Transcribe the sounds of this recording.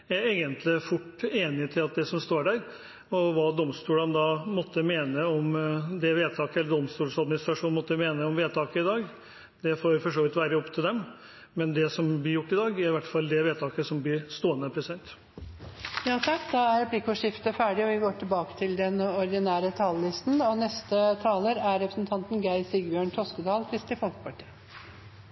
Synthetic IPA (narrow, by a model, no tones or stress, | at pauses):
jæeːɡənt̪ʰlɪfʊʈːeːnɪt̪ʰɪlɑt̪̚d̪ɛsɔmst̪oːɖæɾ | ɔʋɑːd̪ɔmst̪uːlənd̪ɑmɔt̪ːəmeːnəɔmd̪ɛʋeːt̪ʰɑːkəɛlːəɖɔmst̪uːlsɑd̪mɪnɪst̪ɾɑʂuːnmɔt̪ːəmeːnəɔmʋeːt̪ʰɑːkəɪd̪ɑːɡ | d̪ɛfoːɾfɔʂoːʋɪt̪ʋæːɾəɔpt̪ʰɪld̪ɛm | mɛnd̪ɛsɔmblɪɾjʊʈːɪd̪ɑːɡæɾɪʋæʈfɑlːd̪ɛʋeːt̪ʰɑːkəsɔmblɪɾst̪oːənəpʰɾɛsɪd̪ɛnt̪ | jɑːt̪ʰɑkːd̪ɑæɾɾɛpʰlɪkːɔʂɪft̪əfæːɖɪɔʋɪɡoːʈʰɪlbɑːkə̥t̪ʰɪld̪ɛnɔɾd̪ɪnæːɾət̪ʰɑːləlɪst̪nɔnɛst̪ət̪ʰɑːləɾæɾɾɛpɾəsnt̪ʰɑnt̪nɡæɪsɪɡbjøːɳʈ̪ʰɾɔskəd̪ɑːlkʰɾɪst̪ɪfɔlkə̥pʰɑʈʰi̥ːə